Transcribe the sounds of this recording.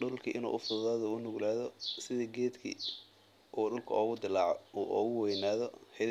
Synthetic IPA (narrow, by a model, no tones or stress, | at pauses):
ɖʊlkʰɐʔɪnṵːʔʊfʊððaːðɔʊnʊɣlaːðɔsɪðiɡɛːd̪kʰḭ | ʔɔːɖʊlkʰɐɔːɣʊd̪ɪlaʕʔɔ̰ːɣʊwɛjnaːðɔhɛ